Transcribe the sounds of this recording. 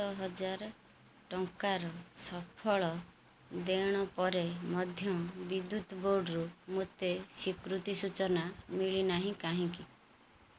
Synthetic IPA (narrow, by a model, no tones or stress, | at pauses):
ɔɦɔd͡ʒaɾ | ʈɔŋkaɾɔsɔpʰɔɭɔ | d̪eɽ̃ɔpɔɾemɔd̪ʱjɔbid̪ːut̪boɾɖɔɾumot̪esikɾut̪isut͡ʃɔnamiɭinaɦĩkaɦĩki